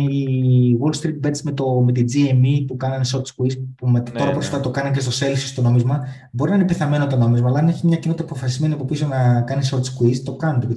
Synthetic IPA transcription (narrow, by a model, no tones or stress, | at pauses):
iwolst̪ɾit̪̚bed̪sme̞t̪o̞me̞t̪id͡ziemipukɐnɐnso̞ɾt̪skwispumet̪o̞ɾɐposfɐft̪ɐt̪o̞kɐnɐc̬est̪o̞se̞lfsist̪o̞no̞mizmɐ | bo̞ɾinɐnepiθɐme̞not̪ono̞mizmɐlɐɐneçimɲɐcinot̪ːɐpo̞fɐsizme̞niɐpo̞pisonɐkɐniso̞ɾt̪skwist̪o̞kɐnot̪ep